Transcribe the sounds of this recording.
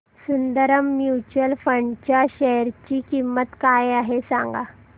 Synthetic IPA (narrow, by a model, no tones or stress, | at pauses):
sund̪əɾəmːjut͡ɕuəlfəɳɖt͡ɕjaɕəɾt͡ɕiːkimːət̪kajaɦesãŋɡa̰